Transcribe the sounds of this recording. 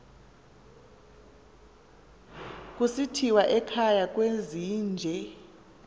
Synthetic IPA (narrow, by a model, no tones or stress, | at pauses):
k̬ʼusitʰiwaʔɛkʰajak̬ʼweziːnd͡ʒʱɛ